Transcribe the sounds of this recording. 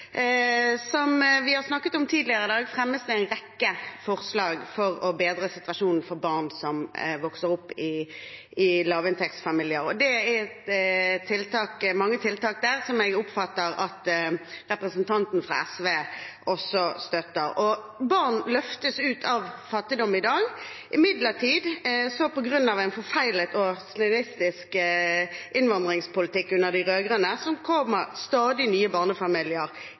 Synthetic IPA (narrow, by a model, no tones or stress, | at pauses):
sɔmʋɪhɑʁsnɑkːət̪ɔmt̪ʰiːd̪lɪəʁəd̪ɑːɡfʁɛmːəsd̪ɛæɪnʁɛkːəfɔʁslɑːɡfɔʁɔbeːd̪ɾəsɪt̪ʋɑʂuːnn̩fɔɾbɑʁnsɔmʋɔksəɾʊpːɪ | ɪlɑːʋɪnt̪ʰɛkt̪sfɑmiːljɪəɾɔd̪ɛæɛt̪t̪ʰːɪlt̪ɑːkmɑŋːət̪ʰɪlt̪ɑːk̚d̪æːʁsɔmɛɡʊpfɑt̪ːəɾɑt̪ʁɛpɾəsn̩t̪ʰɑnt̪n̩fʁɑ̰ɛsʋeːʔɔsːɔst̪œt̪ːəɾɔ | bɑʁnlœft̪əsʉːt̪ʰɑʋfɑt̪ːɪd̪ɔmɪd̪ɑːɡʔɪmɪd̪ləʁʈ̪ʰiːd̪sɔpɔɡʁʉnːɑʋæɪnfɔʁfæɪlət̪ɔslɛnɪst̪ɪsk | ʔɪnʋɑnd̪ʁɪŋspʊlɪt̪ɪkːʉnːəʁd̪ɪʁøːɡʁənəsɔmkʰɔməʁst̪ɑːd̪ɪnyːəbɑːʁnəfɑmɪlɪəʁ